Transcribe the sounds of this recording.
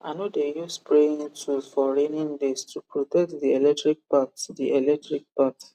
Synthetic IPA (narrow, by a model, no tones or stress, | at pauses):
anodejuspʰɹẽŋtʰufɔɹenĩŋdistʰupɹɔtɛk̚tðiɛlɛk̚tɹik̚paksdiɛlɛk̚tɹik̚paks